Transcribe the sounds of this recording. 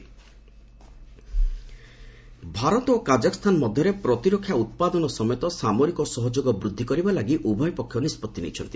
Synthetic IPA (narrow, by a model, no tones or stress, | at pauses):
bʱaɾɔt̪okad͡ʒakɔ̥st̪ʰanmɔd̪ʱjɔɾepɾɔt̪iɾokʰːjaut̪̚pad̪ɔnɔsɔmejt̪ɔsamɔɾikɔsɔɦɔd͡ʒoɡɔbɾud̪ʱːikɔɾibalaɡiʔubʱɔjpɔkʰːjɔnispɔt̪ːinḛjt͡ʃʰɔ̰nt̪i̥